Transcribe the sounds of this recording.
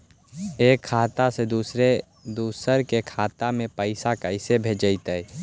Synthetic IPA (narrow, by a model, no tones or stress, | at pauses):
eːkʰːaːt̪ased̪uːsɾe | d̪uːsəɾkekʰaːt̪amẽpəɪsakəɪsebʱeːd͡ʒəɪt̪əi